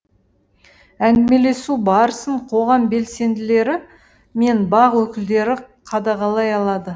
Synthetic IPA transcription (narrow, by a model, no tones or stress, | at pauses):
æŋd̪ɪme̞le̞subɑɾəsəɴqʰo̞ʁɑmbe̞lse̞nd̪ɪle̞ɾɪ | me̞nbɑʁwɵkʲɪld̪e̞ɾɪ | qʰɑd̪ɑʁɑlˠɑjɑlˠɑd̪ə